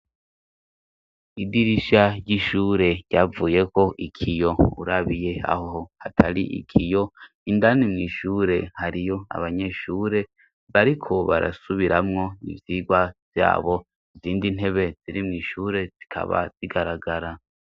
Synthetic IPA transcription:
idiɾiʃaɾɟiʃuːɾe̞ɟ̥avuːje̞ko̞ʔikʰijo̞ṵɾaβije̞a̰hohohatʰaɾiʔḭkʰijo̞ | indanimŋiːʃuːɾe̞haɾijo̞a̰βaɲe̞ʃuːɾe̞ | βaɾikʰo̞βa̰ɾʔa̰suβiɾamŋo̞nḭvjiːɡwavja̰ːβo̞ | iziːndin̥he̞βe̞ziɾimŋiːʃuːɾe̞z̥ikʰa̰βa̰z̥iɡaɾaɡaɾa

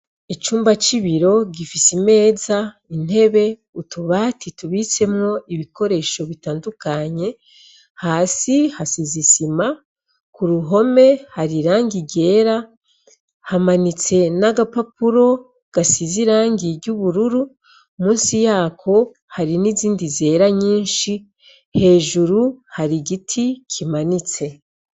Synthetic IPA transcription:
et͡ʃuːmbat͡ʃiβiɾo̞ɡifisime̞ːza | in̥he̞βe̞ | utuβatituβit͡se̞mŋo̞iβiko̞ɾe̞ʃo̞βitaːndukaɲe̞ | haːsihasizisima | kuɾuɦo̞me̞haɾiɾaːŋɡiɟe̞ːɾa | hamanit͡se̞naɡapapuɾo̞ | ɡ̥asiziɾaːŋɡiɾɟuβuɾuɾu | muːnsijaːkʰo̞ | haɾiniziːndize̞ːɾaɲiːnʃi | he̞ːʒuɾuhaɾiɡitʰikʰimanit͡se̞

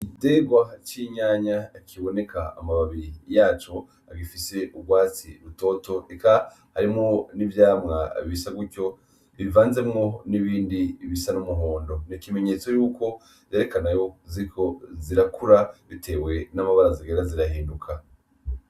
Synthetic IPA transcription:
ite̞ɡwat͡ʃiɲaːɲakʰiβo̞nekaa̰maβaβiɾijaːt͡ʃo̞ | aɡifise̞uɡɡwaːt͡sḭɾuto̞to̞eka | haɾimŋo̞nivjaːmŋa̰βiβisaɡuco̞ | βivaːnze̞mŋo̞niβiːndiβisanumuɦo̞ːndo̞nikime̞ɲe̞t͡so̞juːko̞ | jeɾe̞kanajo̞ziikʰo̞ziɾakuɾaβitʰeːwe̞namaβaɾaziɡeːndaziɾaɦiːndukʰa

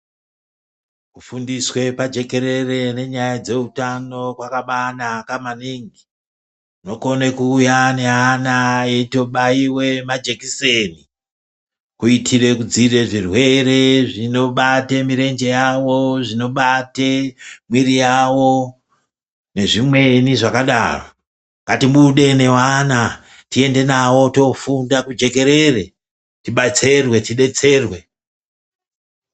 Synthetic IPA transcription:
kufundiswe̞pad͡ʒe̞ke̞ɾe̞re̞ne̞ɲajad͡ze̞utano̞kwakaɓanakamaniŋɡi | uno̞konekuːjaneanaeto̞ɓaiwe̞mad͡ʒekiseni | kuitʰire̞kud͡zire̞ʐirwe̞ɾe̞ʐino̞ɓatemiɾe̞nd͡ʒe̞jawo̞ʐino̞ɓatemwiɾijawo̞ | ne̞ʐimwe̞niʐakaɗa̰ro | ŋɡatimuɗe̞ne̞wana | tie̞nde̞nawo̞to̞fundakud͡ʒe̞ke̞ɾe̞re̞ | tiɓat͡se̞rwe̞tiɗe̞t͡se̞ːrwe̞

